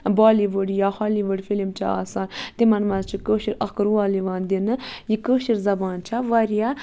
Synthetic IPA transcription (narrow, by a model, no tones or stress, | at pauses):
baːliʋəɽjaːhaːliʋəɽʲfilimt͡ʃʰa̰a̰ːsaːnt̪imɐnmɐnzt͡ʃʰikəːʃiɾɐkɨɾuʋaːliʋaːnd̪inɨjikəːʃiɾzɐbaːnt͡ʃʰaʋɐɾja